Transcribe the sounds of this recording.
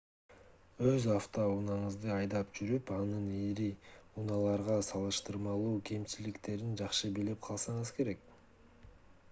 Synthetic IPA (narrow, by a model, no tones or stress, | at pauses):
øzaft̪ounɑɴɯzd̪ɯɑjd̪ɑpd͡ʒyɾypɑnɯniɾiunɑlˠɑɾʁɑsɑlˠɯʃt̪ɯɾmɑlˠuːkʰe̞mt͡ʃilikt̪e̞ɾind͡ʒɑqʃɯbilip̚qʰɑlˠsɑɴɯzke̞ɾe̞k̚